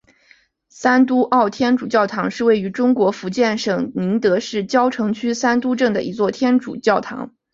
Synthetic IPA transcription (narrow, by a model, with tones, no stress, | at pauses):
sa˥nt̪u˥ʔɑ˥˩ʊt̪ʰjɛ˥nʈ͡ʂu˨˩t͡ɕjɑ˥˩ʊt̪ʰɑ˧˥ŋʂɻ̩˥˧we˥˩ɪy˧˥ʈ͡ʂʊ˥ŋkwɔ˧˥fu˧˥t͡ɕjɛ˥˩nʂɤ˨˩ŋni˧˥ŋt̪ɤ˧˥ʂɻ̩˥˩t͡ɕjɑ˥ʊʈ͡ʂʰɤ˧˥ŋt͡ɕʰy˥sa˥nt̪u˥ʈ͡ʂɤ˥˩ŋd̪ə̰˩ʔḭ˧˥t͡swɔ˥˩t̪ʰjɛ˥nʈ͡ʂṵ˨˩t͡ɕjɑ˥˩ʊt̪ʰɑ̰˧˥ŋ